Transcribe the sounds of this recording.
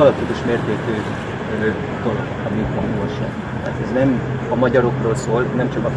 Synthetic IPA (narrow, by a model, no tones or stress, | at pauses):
ɒlɒp̚t̪ikuʃmeːrt̪eːt̪øː | ø | t̪ol | t̪ɒmit̪onolʃɛ̰n | t̪a̰ːt̪ɛznɛm | ɒmɒɟɒɾo̞kroːlsoːlnɛmt͡ʃɒkɒ